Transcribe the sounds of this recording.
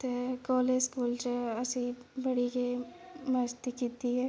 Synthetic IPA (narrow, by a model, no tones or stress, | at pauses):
t̪ekɔːleskuːlt͡ʃeɐsibɐɽike | mɐst̪ikiːt̪iɦɛː